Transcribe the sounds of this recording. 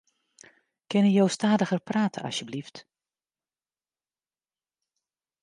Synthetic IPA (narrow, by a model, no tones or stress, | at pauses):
kɪnəjowstaːdəɣərpraːtʰə̰ʔɑ̰sjəblift